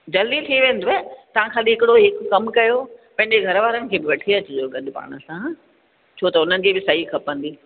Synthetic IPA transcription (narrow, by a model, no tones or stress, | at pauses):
d͡ʑɐld̪it̪ʰiʋẽːnd̪oet̪ɐʋ̤ãkʰãːɗiɦɪkɪɽoɦɪkkɐmkɐjopɐ̃ɦɪ̃ɲd͡ʑeɡʱɐɾʋaːɾənɪ̆kʰeːbɪʋɐʈʰiɐt͡ɕɪd͡ʑoɡɐɗʊpa̰ːɽ̃əsã | t͡ɕʰoːt̪ɐʊn̤ənɪ̆kʰeːbɪsɐɦikʰɐpə̃nd̪iː